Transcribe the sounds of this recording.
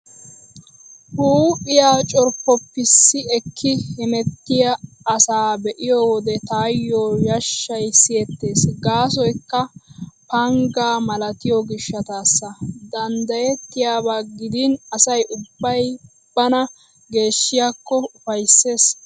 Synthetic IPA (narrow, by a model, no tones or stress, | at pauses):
huːʔɪjaːt͡ʃʼɔɾpːɔpːɪsːɪɛkʰːɪhɪmɛt̪ːɪjɐː | saːbɛʔɪjɔwɔd̪ɛt̪aːjːoːjɐʃːɐjsɪjɛt̪ːe̞ːsɡaːsɔjkːɐpɐŋɡaːmɐlɐt̪ɪjɔɡɪʃːɐt̪aːsːɐd̪ɐnd̪ɐjɛt̪ːɪjaːbaːɡɪd̪ɪnɐsɐjʔʊbːɐj | b̥ːɐnɐ | ɡe̞ːʃːɪjakːɔʊfɐjsːe̞ːs